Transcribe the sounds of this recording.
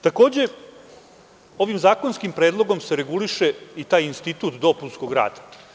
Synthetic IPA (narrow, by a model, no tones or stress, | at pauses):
t̪ako̞ːd͡ʑe̞ | o̞ʋimzaːko̞nskimpɾe̞ːd̪lˠo̞ɡo̞mse̞ɾe̞ɡuliʃe̞it̪aːjinst̪it̪uːt̪d̪o̞punskoɡɾa̰ːt̪ḁ